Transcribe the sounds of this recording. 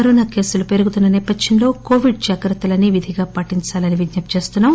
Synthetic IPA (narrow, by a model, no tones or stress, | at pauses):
kɐɾoːnaːke̞ːsulupe̞ɾuɡut̪unːɐnɛːpɐd̪jɐnlo̞ːko̞ːʋiɖ̚d͡ʒaːkɾɐt̪ːɐlɐnːiʋid̪ʱiɡaːpɐʈiɲt͡ʃaːlɐniʋid̪njɐpt͡ʃe̞ːst̪unːaːm